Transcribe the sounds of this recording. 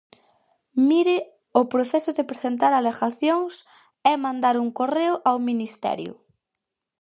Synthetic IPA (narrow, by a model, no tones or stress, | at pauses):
miɾɪ | ʊpɾoθɛsʊðepɾesent̪̬aɾaleɣaθjoŋs | ɛmãnd̪aɾuŋkoreʊʔawminist̪ɛ̰ɾjʊ̰